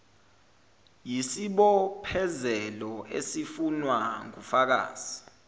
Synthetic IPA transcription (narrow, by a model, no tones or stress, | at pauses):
jisiɓɔpʰɛzɛlɔḛsifunwaŋufak̬a̰ːz̥i